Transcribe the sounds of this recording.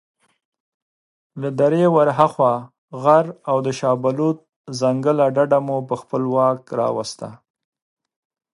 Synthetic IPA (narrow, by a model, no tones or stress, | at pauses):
lad̪aɾewaɾɦaxwa | ɣaɾawd̪əʃɑbalut̪̚ | zaŋɡəlaɖaɖamupəxpəlwɑkɾɑ̰wa̰st̪a̰